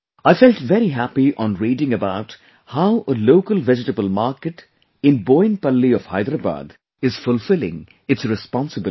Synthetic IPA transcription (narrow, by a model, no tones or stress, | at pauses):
aɪfɛlʈvɛɾiɦæpiʔɔ̃nɹiːɾɪ̃ŋəbaʊt | haʊʔəloʊkəlvɛd͡ʒɪʈəbəlˠmaɾkɨʈ | ɪ̃nbõɪ̃npʌlːiɔv̥ha̰ɪd̪ɾəba̰ːd̪ | ɪz̥fʊlfɪlɪ̰̃ŋ | ɨtsɾɨspɑ̃nsəbɪ